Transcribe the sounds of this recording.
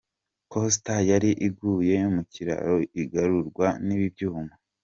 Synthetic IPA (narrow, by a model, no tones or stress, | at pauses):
kostajaɾiʔiɡuːje̞umuciɾa̰ɾoiɡaɾuɾɡwaniβibɟuːma